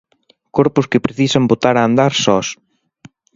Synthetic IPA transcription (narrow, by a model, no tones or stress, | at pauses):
koɾpʊskɪpɾeθisambot̪aɾaːnd̪aɾsɔs